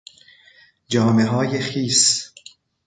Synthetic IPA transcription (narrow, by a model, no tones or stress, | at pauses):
d͡ʒɒːmeɦɒːjexiːs